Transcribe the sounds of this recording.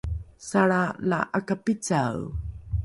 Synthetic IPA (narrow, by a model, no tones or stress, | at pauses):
saɭala̰ʔakapit͡saw